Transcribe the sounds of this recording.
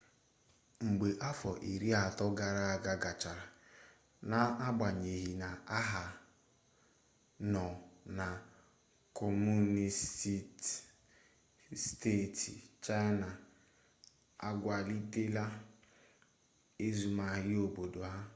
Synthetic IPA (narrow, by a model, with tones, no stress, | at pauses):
ŋ͡m̩˨ɡ͡be˨ʔa˦fɔ˨ʔi˨ɾi˦a˨tɔ˦ɡa˨ɾa˦a˨ɡa˨ɡa˨t͡ʃa˨ɾa˨ | na˨a˦ɡ͡ba˨ɲe˨ɦi˨na˨a˦ɦa˨ | nɔ˨na˨ | kʰɔ˨mu˦ni˨sti˦t | ste˦˨ti˨t͡ʃa˦ɪ˦na˨ | a˦ɡʷa˨li˦te˦la˦ | e˦zu˨ma˨ɦɪ˦o˨bo˨do˨ɦa˦